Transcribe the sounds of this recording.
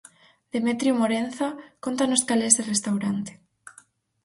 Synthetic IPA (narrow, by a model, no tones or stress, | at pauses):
d̪̥emet̪ɾjumoɾen̟θakont̪anoskalezðerest̪awɾant̪e̥